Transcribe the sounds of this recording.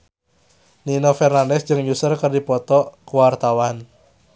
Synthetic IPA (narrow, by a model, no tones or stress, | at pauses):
ninofɛrnandɛsd̥d͡ʒɨŋjusərkərdipɔt̪ɔkuwart̪awan